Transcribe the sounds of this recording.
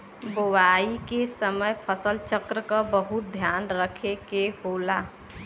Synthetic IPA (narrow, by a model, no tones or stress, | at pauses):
bowaikesəməjpʰəsəlt͡ʃəkɾəkabəɦut̪̚d̪ʱjanɾəkʰekehola